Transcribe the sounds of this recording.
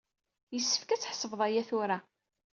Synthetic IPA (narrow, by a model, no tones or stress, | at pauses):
jəsːə̥fkæt͡sːħsəvðˤɑjæθʊɾa